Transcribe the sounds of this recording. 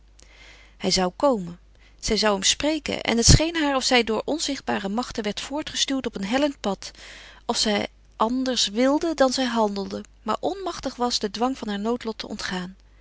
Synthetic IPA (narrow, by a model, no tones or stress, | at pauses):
hɛjzɑwkowmən | z̥ɛjzɑwɦəmsprejkə̰nʔɛ̰nɦətsχejnɦaːɹɔfsɛjdʊːɹʔɔnzɪχd̚baːrəmɑχtənʋɛɹtfʊːɹtχəstyːwtɔpənɦɛlənt̚pɑtɔfsɛj | ʔɑndəɹsʋɪlˠdədɑnzɛjɦɑndəlˠdəma̰ːɹʔɔnmɑχtəχʋɑzdədʋɑŋvɑnɦaːɹnowtlɔtʰəɔ̰ntχaːn